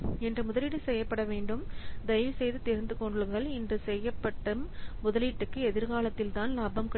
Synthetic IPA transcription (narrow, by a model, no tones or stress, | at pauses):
ɛndrɯmʊðɐlɪʈːɯsɛjːɐpːɐɽɐʋeːɳɖɯmd̪ɐjʋsɛjðɯt̪ɛɾɯnd̪ɯkɔɳɖɯɭɯɣɐɭɪndrɯsɛjːɐpːɐʈːɯmːʊðɐliʈːɯkːɯɛðɪɾɣaːlɐt̪ːɪlt̪aːnlaːbɐmkɐ